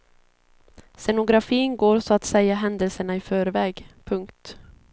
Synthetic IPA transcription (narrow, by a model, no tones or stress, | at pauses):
sɛnʊɡɾafiːnɡoːɾsɔat̪sɛjːaɦɛnd̪əlsəɳaɪfœːɾvɛːɡpʰɵŋkt̪